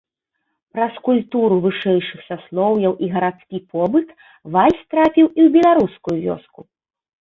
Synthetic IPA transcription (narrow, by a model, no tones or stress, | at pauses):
pɾɐskulʲpt̪uɾuvɨʂɛjʂɨxsaslˠɔwjɐwʔiɣɐɾat̪skʲipʰɔbɨt̪ | valʲsʲt̪ɾapʲiwiwbʲɛlˠaɾuskujuvʲɔ̰sku